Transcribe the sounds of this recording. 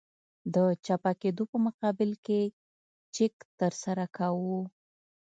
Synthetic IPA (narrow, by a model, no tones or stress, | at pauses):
d̪ət͡ʃapaked̪opəmʊqɑbɪlke | t͡ʃɪkt̪əɾsaɾakawu